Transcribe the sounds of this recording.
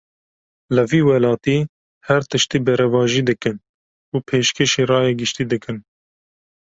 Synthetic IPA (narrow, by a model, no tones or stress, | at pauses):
lɨviːwɛlɑːt̪iː | hɛɾt̪ɨʃt̪iːbɛɾɛvɑːʒiːd̪ɨkɨn | uːpʰeːʃkʰeːʃeːrɑːjɛɡɨʃt̪iːd̪ɨkɨn